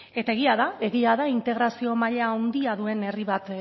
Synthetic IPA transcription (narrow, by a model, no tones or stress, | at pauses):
et̪ae̞ɣ̞iaðae̞ɣiaðaint̪e̞ɣ̞ɾasio̞maʎaːnd̪iaðue̞ne̞riβat̪